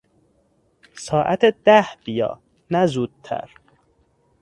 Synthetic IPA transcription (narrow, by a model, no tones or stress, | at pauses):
sɒːʔæt̪ʰed̪æhb̥ijɒ̰ː | næzuːd̪̥̚t̪ʰæ̰ɾ